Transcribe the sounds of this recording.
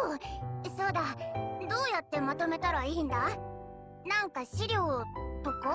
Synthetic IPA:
so̞ːd̪ad̪o̞ːjat̪ːe̞mat̪o̞me̞t̪aɾaiːnd̪a | nãŋkaɕiɾʲjo̞ːp̪oko

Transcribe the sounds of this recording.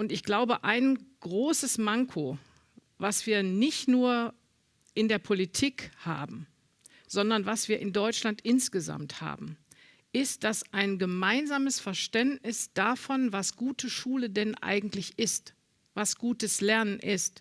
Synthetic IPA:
ʔʊntɪçɡ̥laʊbəʔaɪnɡ̥ʁoːsəsmaŋkʰo | vasv̥iːɐnɪçtnuːɐ | ʔɪndeːɐpʰolitʰiːkha̰ːbm̩ | z̥ɔndɐnvasv̥iːɐʔɪndɔʏt͡ʃlantʔɪnsɡ̥əza̰mtha̰ːbm̩ | ʔɪst̚d̥asʔaɪnɡəmaɪnzaːməsfɛɐʃtɛntnɪsd̥afɔnvasɡ̥uːtʰəʃuːlədɛnʔa̰ɪɡŋ̩tlɪçʔɪst | vasɡ̥uːtəslɛɐnənʔɪst

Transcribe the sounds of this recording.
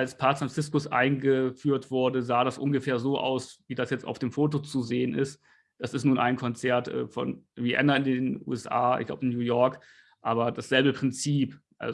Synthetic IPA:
ʔalspʰaːpsfʁansɪskʊsʔa̰ɪnɡəfyːɐtv̥ʊɐdəzaːɾasʔʊnɡəfeːɐzoːʔa̰ʊsviːdasjɛt͡sta̰ʊfd̥eːmfoːtot͡suzeːənɪst | d̥asɪstnuːnʔa̰ɪnkʰɔnt͡sɛɐtʔɛ̰ːfɔ̰nwiʔɛ̰nɐɪndeːnʔṵːɛsʔa̰ːɪ̰çɡ̥la̰ʊəɪnjuːjɔɐk | ʔaːbɐdasz̥ɛlbəpʁ̥ɪnt͡siːpʔa̰

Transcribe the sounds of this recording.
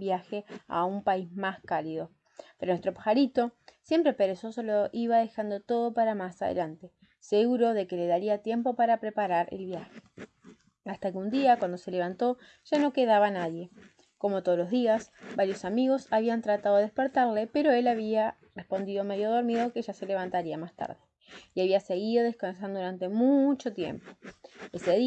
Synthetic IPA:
bjaxea̰umpaizmaskalið̞o̞ | peɾonwest̪ɾo̞pḁxaɾit̪o̞sje̞mpɾepe̞ɾeso̞so̞loʔiβaðe̞xand̪o̞t̪o̞ðo̞paɾamasaðḛlant̪e̞ | seɣuɾo̞ðe̞ke̞le̞ðaɾiat̪je̞mpo̞paɾapɾe̞paɾaɾʔḛlβjaxe | ast̪akeund̪iakwand̪o̞se̞le̞β̞ant̪o̞ | ʒ̥ano̞ke̞ðaβanaðje̞ | ko̞mo̞t̪olo̞zðiasbaɾjo̞samiɣ̞o̞saβiant̪ɾat̪aðo̞espe̞ɾt̪aɾle̞pe̞ɾo̞e̞laβia | re̞spo̞nd̪iðo̞me̞ðjo̞ð̞o̞ɾmiðo̞ke̞ʒase̞le̞β̞ant̪aɾiamast̪a̰ɾðe | jaβiase̞ɣiðo̞ð̞e̞skans̬and̪ouɾant̪e̞mut͡ʃo̞t̪je̞̰mpo̞̥eseð

